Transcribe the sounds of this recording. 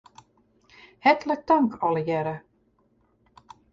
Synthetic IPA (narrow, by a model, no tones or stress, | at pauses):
hɛt̪lək̚t̪aŋkʰɔlˠəjɛɾə